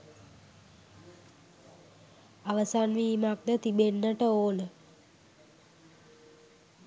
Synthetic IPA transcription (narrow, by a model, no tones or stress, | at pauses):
aʋəsanʋiːmak̚d̪ət̪ibenːəʈəoːnə